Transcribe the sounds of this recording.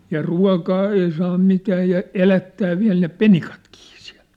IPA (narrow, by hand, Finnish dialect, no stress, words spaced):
jɑ ruɑ̝kɑː ei sɑː mitæː jɑ elætːæː ʋiæ̝l ne penikɑtkiː siæ̝l